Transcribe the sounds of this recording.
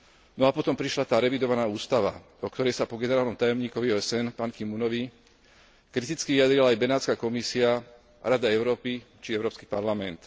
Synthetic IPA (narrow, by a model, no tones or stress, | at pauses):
nɔapɔt̪ɔmpɾiʃlat̪aːɾɛʋid̪ɔʋanaːuːst̪aʋa̰ | ɔkt̪ɔɾɛjsapɔɡɛnɛɾaːlnɔmt̪ajɔmɲiːkɔʋiɔːɛsɛnpaːnkimunɔʋi | kɾit̪it͡skiʋijad̪ɾilaːjbɛnaːt͡skaːkɔmisia | ɾad̪aɛʊɾɔːpi | t͡ʃiɛʊɾɔːpski̥paɾlamɛnt̪